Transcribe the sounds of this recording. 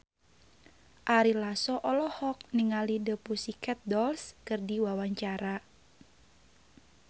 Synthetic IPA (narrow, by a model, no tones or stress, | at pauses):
ʔaɾilasɔʔɔlɔhɔk̚niŋalidəpusikɛt̪̚dɔlskɨrdiwawaɲt͡ʃaɾa